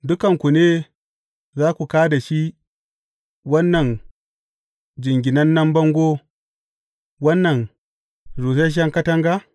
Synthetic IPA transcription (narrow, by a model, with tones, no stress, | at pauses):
dʊ˦kɐ˨ŋkʷu˨neː˦ | zaː˦kʷu˨kaː˦da˨ʃi˦ | wɐ˦nːɐ˨n | d͡ʒɪ˨ŋɡʲɪ˨nɐ˦nːɐ˦mbɐ˦ŋɡʷoː˦ | wɐ˦nːɐ˨n | ɾuː˨s̬e˦ʃ̬ɐ˦ŋkɐ˦tɐ˦ŋɡa˦